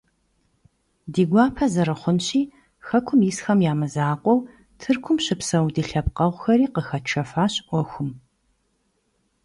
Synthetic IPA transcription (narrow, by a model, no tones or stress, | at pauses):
diːɡʷɑːpʰɐzɐɾɨχʷʊnɕiː | xɐkʷʰʊmjisxɐmjaːmɨzaːqʷʼɔw | tʰɨrkʷʰʊmɕɪpsɐwdiɬɐpqɐʁʷʊxɐɾiːqəxɐt͡ʃʰɐfaːɕʔʷɔxʷʊm